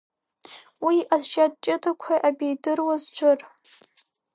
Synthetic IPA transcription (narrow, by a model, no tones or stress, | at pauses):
wiazʃad̚t͡ʃʼɪtʼakʷʰaʔabʲejdɨrwazd͡ʒʷʊr